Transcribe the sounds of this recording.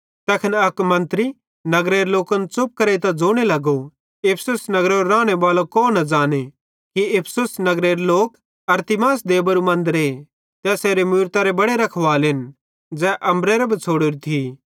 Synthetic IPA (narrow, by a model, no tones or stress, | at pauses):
t̪ɛːkʰɐnɐkmɐ̃nt̪ɾi | nɐɡɾeːɾloːkənt͡sʊp̚kɐɾet̪ɐd͡zoːɽ̃elɐɡo | epʰsʊsnɐɡɾeɾoɾãːɽ̃ebaːlokoːnɐd͡ʒaːne | kiepʰsʊsnɐɡɾeːɾloːk | ɐɾt̪ɪmaːsd̪eːbɐɾumɐ̃nd̪ɾeː | t̪ɛseːɾemʊjɾt̪aɾebɐɽeɾɐkʰʋaːlɦɪn | d͡zɛːʔɐmbɾeːɾɐbʱt͡sʰoːɽʊɾit̪ʰi